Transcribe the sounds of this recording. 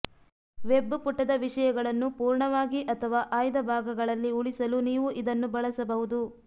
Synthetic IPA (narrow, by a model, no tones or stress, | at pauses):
ʋebːpuʈːɐd̪ɐʋiʂɐjɐɡɐɭɐnːupuːɾɳɐʋaːɡiʔɐt̪ʰɐʋaːʔaːjd̪ɐbʱaːɡɐɡɐɭɐlːiuɭisɐluniːʋuʔid̪ɐnːubɐɭɐsɐbɐɦud̪u